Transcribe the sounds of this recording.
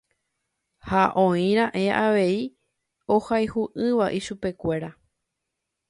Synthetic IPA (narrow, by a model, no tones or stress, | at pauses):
haʔõĩɾ̃ãʔe̞ʔaʋe̞i | ohajhuʔɨ̃ʋaʔiʃupe̞kʷe̞ɾa